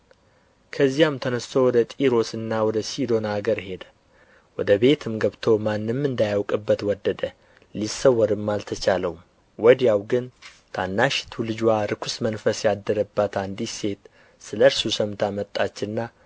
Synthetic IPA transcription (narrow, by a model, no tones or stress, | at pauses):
kʰəzːijamt̪ʰənəst̪ʰowɔd̪ət̪ʼiɾo̞sɨnːawɔd̪əsid̪o̞naɡəɾhe̞d̪ə | wɔd̪əbe̞t̪ʰɨmɡəβt̪ʰo̞manːɨmɨnd̪ajawkʼɨbːət̪wɔd̪ːəd̪ə | lisːəwːɔɾɨmːalt̪ʰət͡ʃaləwum | wɔd̪jawɡɨnt̪ʰanːaʃt̪ʰulɨd͡ʒwaɾɨkʰusmənfəsjad̪ːəɾəbːat̪and̪ise̞t̪ | sɨləɾsusəmt̪ʰamət̪ʼːat͡ʃːɨnːa